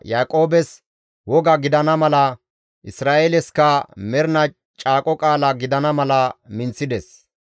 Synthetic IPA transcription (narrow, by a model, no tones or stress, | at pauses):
jaːkʼo̞ːbɛs | wɔɡɐɡɪd̪ɐnɐmɐlɐ | ʔɪsɾaːʔelɛskɐmɛɾnɐ | t͡ʃʼaːkʼɔkʼaːlɐɡɪd̪ɐnɐmɐlɐmɪnt͡sːɪd̪ɛs